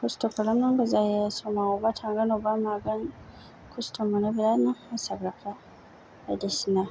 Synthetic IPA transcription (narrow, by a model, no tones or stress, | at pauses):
kostokalamnaŋɡozajasomaoβatʰaŋɡanobamaɡan | kʰostʰomonaβilanaasaɡɾafa | adisina